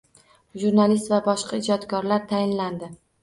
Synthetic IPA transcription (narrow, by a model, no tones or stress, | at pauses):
ʒuɾnalɪst̪vabɒʃqɑɪd͡ʒɒt̪kʰɒɾlaɾt̪ʰajɪnland̪ɪ